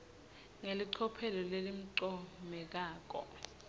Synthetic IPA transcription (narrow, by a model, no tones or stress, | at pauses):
ŋeliǀʰɔpʰɛlɔlelim̩ǀɔmɛk̬aːk̬ɔ̰